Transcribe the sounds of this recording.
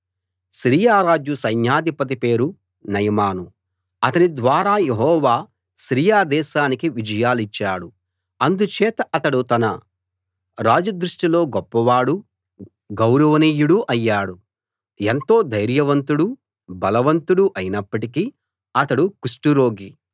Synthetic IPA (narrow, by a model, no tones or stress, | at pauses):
ʃɾiːjaːɾaːd͡ʒusɐɲjaːd̪ʱipɐt̪̬ipe̞ːɾu | nɐjɐmaːnu | ɐt̪ɐnid̪ʋaːɾaːjeɦɔːʋaː | ʃɾiːjaːd̪ɛːʃaːnikiʋid͡ʒɐjaːlit͡ʃːaːɽu | ɐnd̪ut͡ʃɛːt̪ɐʔɐt̪ɐɽut̪ɐnɐ | ɾaːd͡ʒɐd̪ɾuʂʈilo̞ːɡɔpːɐʋaːɽu | ɡɐwɾɐʋɐniːjuɽuʔɐjːaːɽu | ent̪o̞ːd̪ɐjɾjɐʋɐnt̪uɽu | bɐlɐʋɐnt̪uɽuʔɐjinɐpːɐʈiki | ɐt̪ɐɽukuʂʈuɾo̞ːɡi